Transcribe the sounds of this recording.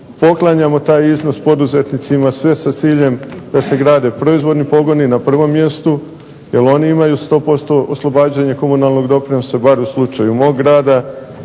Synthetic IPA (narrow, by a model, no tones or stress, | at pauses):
po̞klˠaɲamo̞t̪aːjizno̞spo̞d̪uze̞t̪nit̪simasʋe̞sat̪siːʎe̞md̪̥ase̞ɡɾaːd̪epɾo̞izʋo̞d̪nipo̞ɡo̞ninapr̩ʋo̞mːje̞st̪u | je̞lo̞niimajust̪o̞ːpo̞st̪o̞oslˠo̞baːd͡ʒaɲako̞munalˠno̞ɡd̪o̞pɾinosebaɾuslˠut͡ʃajumo̞ːɡːɾaːd̪a